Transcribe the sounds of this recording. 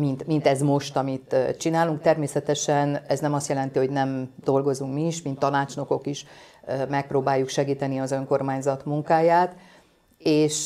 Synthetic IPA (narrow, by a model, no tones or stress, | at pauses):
mint̪mint̪ɛzmo̞ʃt̪ɒmit̪t͡ʃinaːluŋkt̪ɛrmeːsɛt̪ɛʃɛnɛznɛmɒst̪jɛlɛnt̪iho̞ɟnɛmd̪̥o̞lɡo̞zuŋkmiːʃmint̪ːɒnaːt͡ʃno̞ko̞kiʃmɛk̚proːbaːjːukʃɛɡiːt̪ɛniɒzø̞ŋko̞rmaːɲzɒt̪muŋkaːjaːt̪ | eːʃ